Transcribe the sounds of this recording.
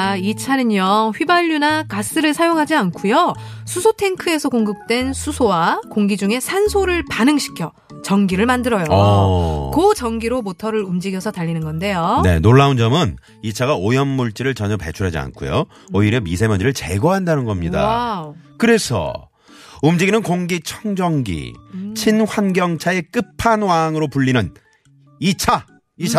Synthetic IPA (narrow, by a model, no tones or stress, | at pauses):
it͡ɕʰanɯɲʌɸɥibaʎːunakas͈ɯɾɯɭsʰajoŋɦad͡ʑiankʰujosʰusʰotʰe̞ŋkʰɯe̞sʰʌkoŋɡɯk̚t͈we̞nsʰusʰowakoŋɡid͡ʑuŋe̞sʰansʰoɾɯɭpanɯŋɕʰi̥kʰjʌ | t͡ɕʌŋɡiɾɯɭmandɯɾʌjo | kot͡ɕʌŋɡiɾomotʰʌɾɯɾumd͡ʑiɡjʌsʰʌtaʎːinɯnɡʌnde̞jone̞̰noɭːaund͡ʑʌmɯn | it͡ɕʰaɡaojʌnmuɭt͡ɕ͈iɾɯɭt͡ɕʌɲʌpe̞t͡ɕʰuɾɦad͡ʑia̰nkʰṵjo̰ | oiɾjʌmisʰemjʌniɾɯɭt͡ɕe̞ɡoɦandanɯnɡʌmɲida̰kɯɾe̞sʰʌ̰ | umd͡ʑiɡinɯnkoŋɡit͡ɕʰʌŋd͡ʑʌŋɡḭt͡ɕʰinɸwanɡjʌŋt͡ɕʰae̞k͈ɯpʰanwaŋɯɾopuʎːinɯn | it͡ɕʰa | it͡ɕʰa